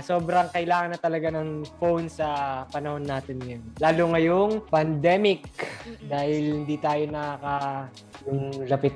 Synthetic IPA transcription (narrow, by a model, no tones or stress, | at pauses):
so̞ːbɾɐŋkɐʔɪlaːŋɐnːɐt̪ɐlɐɡanɐŋfownsɐpɐnɐho̞nːaːt̪ɪnjanlaːloŋɐjoŋpɐnd̪ɛmɪk̚d̪aːhɪlhɪnd̪iːt̪aːjo̞nɐkɐka | jʊŋlɐpɪt̪